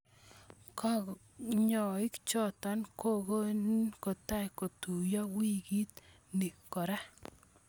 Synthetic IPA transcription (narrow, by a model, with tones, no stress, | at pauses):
kɔ˦ | ɲɔ˨ɪ˦kt͡ʃɔ˦t̪ɔ˨nkʰo˦ɡo˦nko˨t̪a˦jko˨t̪u˨jɔ˦wi˦ɡi˦t̪ | ni˨kɔ˨ɾa˦